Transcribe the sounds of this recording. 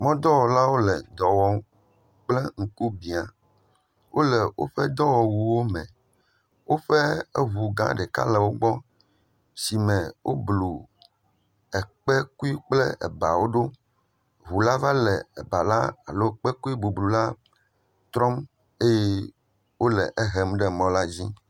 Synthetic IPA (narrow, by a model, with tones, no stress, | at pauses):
mɔ̃˦d̪ɔ˦wɔ˨la˦wo˦lɛ˨d̪ɔ˨wɔ˦ | k͡plɛ˦ŋ̩˨ku˦bi˨a˨ | wʔo˦lɛ˨wʔo̰˦ɸɛ˦d̪ɔ˦wɔ˨wu˨wo˦mɛ̰̃˨ | wo˦ɸɛ˦e˦ɦu˨ɡã̰˦ɖɛ˨ka̰˦lɛ˨wo˦ɡ͡bɔ˦ | si˨mɛ̃˨wʔo̰˦blu˨ | ɛ˨k͡pɛ˦ku˦i˦k͡plɛ˦ɛ̰˨ba˨wo˦ɖo˦ | ɦu˨la˦va˦lɛ˨ɛ˨ba˨la˦a̰˨lo˦k͡pɛ˦ku˦i˦bu˨blu˨la˦ | t̪ɾɔ˦m | e˦je˦ | wo˦lɛ̰˨ʔɛ˦ɦɛ˨mɖɛ˦˨mɔ̃˦la˦d͡ʑi˦